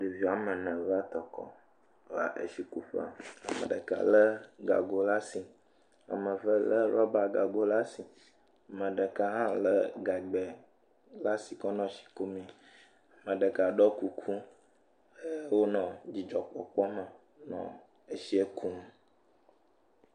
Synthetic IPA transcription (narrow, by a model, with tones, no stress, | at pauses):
ɖe˨vi˨a˨mə̃˨nə̃˨va˦t̪ɔ˨kɔ̰˦ | la̰˨ʔḛ˦ʃi˦ku˨ɸa̰˨a˨mə̰̃˨ɖə̰˨ka̰˨lə˦ɡa̰˨ɡo˦la˦si˨ | a̰˨mə̃˨və˦lə˦ɾɔ˦ba˨ɡa˨ɡo˦la˦si˨ | a˨mə̃˨ɖə˨ka˦ɦã˦lə˦ɡa˨ɡ͡bɛ˨ | la˦si˨kɔ˦nɔ̃˦ʃi̥˨ko˦mĩ˨ | a˨mə̃˨ɖə˨ka˨ɖɔ˦ku˨kʰu˦ | ə˦wo˦nɔ̃˨d͡ʑi˨d͡ʒɔ˨k͡pɔ˨k͡pɔ˦mə˨ | nɔ̰̃˨ | e˦ʃi˦e˦kʰu˦nũ˨